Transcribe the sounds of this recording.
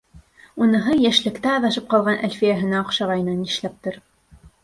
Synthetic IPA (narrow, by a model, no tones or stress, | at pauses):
unɤ̆ɦɤjæʃlɘ̆kt̪æːðɑʃɤp̚qɑlˠʁɑnʔælʲfijæɦɘ̆næŏqʃɑʁɑjɤ̆nɑniʃlæp̚t̪ɤɾ